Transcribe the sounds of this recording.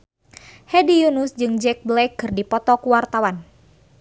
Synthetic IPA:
hɛdijunusd͡ʒɨŋd͡ʒɛk̚blɛkːɨrdipɔt̪ɔkuwart̪awan

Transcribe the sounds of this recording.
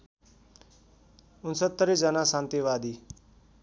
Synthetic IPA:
ʊnsət̪ːəɾiːd͡ʒanasãːnt̪iʋaːd̪iː

